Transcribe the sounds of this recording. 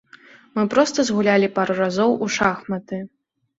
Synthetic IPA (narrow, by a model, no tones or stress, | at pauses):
mɨpɾɔst̪ɐzɣulʲalʲipaɾuɾazɔwuʂaxmɐt̪ɨ